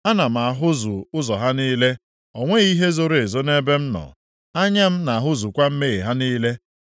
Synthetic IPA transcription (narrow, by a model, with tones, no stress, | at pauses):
a˦na˨m̩˨a˨ɦʊ˦zʊ˨ʊ˦zɔ˨ɦa˦niː˦le˦ | o˨ŋʷe˦ɣi˦ɦe˦zo˦ɾe˨e˨zo˦ne˦be˦m̩˦nɔ̰˨ | a˦ɲa˦m̩˦na˨a˨ɦʊ˦zu˨kʷa˦m̩˦me˦ɣe˨ɦa˦niː˦le˦